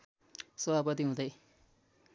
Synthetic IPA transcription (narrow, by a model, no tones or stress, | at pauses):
sʌbʱapʌt̪iɦũd̪ʌj